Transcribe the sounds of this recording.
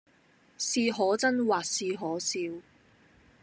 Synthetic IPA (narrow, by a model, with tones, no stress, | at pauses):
siː˧ɦɔː˨˥t͡sɐ˥nwaː˨k̚siː˧ɦɔː˨˥siː˧w